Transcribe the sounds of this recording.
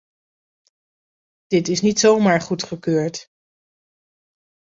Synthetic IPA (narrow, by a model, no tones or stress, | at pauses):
d̥ɪtɪsnitsowmaːɹχutχəkøːɹt